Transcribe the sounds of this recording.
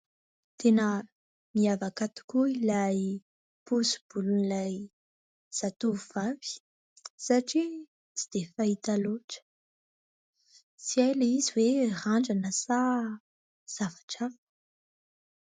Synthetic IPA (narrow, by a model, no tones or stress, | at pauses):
t̪ʰenə | miavakat̪u̥kuilaj | pusu̥b̥ulunilaj | z̥at̪uvuvav̥i̥ | saʈ͡ʂi | t͡si̥d̪̥efait̪aloʈ͡ʂə̥ | t͡siajlaiziweraɳɖ͡ʐanəsa | z̥avḁʈ͡ʂav